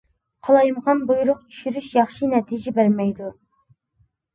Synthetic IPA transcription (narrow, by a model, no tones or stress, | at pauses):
qʰɑlˠɑjmʁɑnbujuɾʊqt͡ʃʰy̥ʃyɾyʃjɑχʃinɛt̪ʰid͡ʒɛbæɾmɛjd̪u